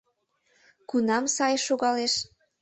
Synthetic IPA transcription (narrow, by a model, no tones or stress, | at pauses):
kunɑmsɑjʃuɣɑleʃ